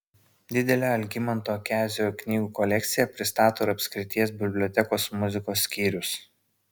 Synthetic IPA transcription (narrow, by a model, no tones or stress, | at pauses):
d̪ʲɪd̪ʲɛlʲæːɐlʲɡʲɪmɐnˑt̪oːkʲæːzʲoknʲiːɡuːkɔlʲɛk̚ʲt̪sʲɪjɛpʲɾʲɪst̪ɑːt̪oːɪɾɐpʲsʲkʲɾʲɪt̪ʲiɛs̬bʲɪbʲlʲɔt̪ʲɛkoːsmʊzʲɪkoːsːʲkʲiːɾʲʊs